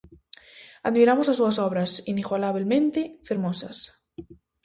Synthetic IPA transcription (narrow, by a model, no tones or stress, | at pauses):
aðmiɾamosasuasoβɾasiniɣwalaβ̞ilmẽnt̪efeɾmosa̰s